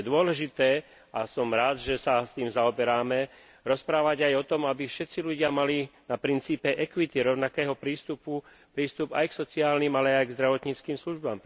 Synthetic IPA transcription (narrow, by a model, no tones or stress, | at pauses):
d̪ʊɔlɛʒit̪ɛː | ʔasɔmɾaːd̪ʒɛsast̪iːmzaɔbɛɾaːmɛ | ɾɔspɾaːʋaɟajɔt̪ɔmabifʃɛt̪t͡siʎuɟɪamalinapɾint͡siːpɛʔɛkʋit̪iɾɔʊnakɛːɦɔpɾiːst̪upu | pɾiːst̪uba̰jksɔt͡siaːlniːmalɛajɡzd̪ɾaʋɔt̪ɲiːt͡skiːmsluʒbaːm